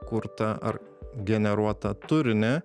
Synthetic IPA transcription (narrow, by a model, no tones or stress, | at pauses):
kʊɾt̪ɐʔɐ̰ɾ | ɡʲɛnʲɛɾuɔt̪ɐt̪ʊɾʲɪnʲɛ